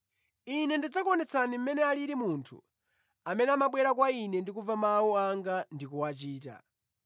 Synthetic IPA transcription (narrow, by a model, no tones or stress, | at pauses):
inɛndid͡zakɔnɛt͡sʰanim̩mɛnɛaliɾimuntʰṵ | amɛnɛamaɓwɛɾak̬wainɛndikuvamawuaŋɡandikuwat͡ʃiːta̰